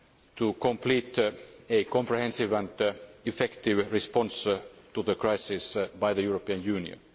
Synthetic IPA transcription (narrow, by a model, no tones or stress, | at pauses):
t̪ʰukʰõmpʰliːt̪ekõmpɹihɛ̃nsiʋæ̃ndifɛkt̪iʋɹispɔ̃nst̪uðəkɹaɪsɪsbaɪjðəjuːɹopiə̃njʉːnḭə̰̃n